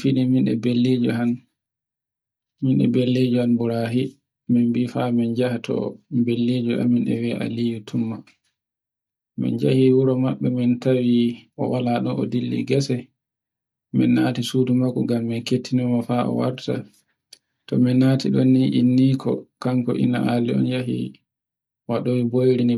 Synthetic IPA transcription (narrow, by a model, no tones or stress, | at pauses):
finiminɗɛ̰belːid͡ʒɔɦan | minɗɛ̰belːed͡ʒɔhanbuɾaɦi | mɛmbifamɛnd͡ʒahatʰɔ̰belːed͡ʒuʔa̰mːinɗɛ̰wɛʔa̰lijutʰumːa | mɛ̰nd͡ʒahiwuɾɔmaɓːɛmintawiʔɔ̰walaɗɔnɔ̰dilːḭɡɛsɛ | mɛnːatisuːdumakːuɡamːɛnketʰːinimafaɔ̰wa̰ɾta̰ | tɔmɛnatʰiɗɔnːiʔinːikʰɔ̰kaŋkɔʔḭna̰ʔaliɔ̰njaɦḭ | waɗowibojɾini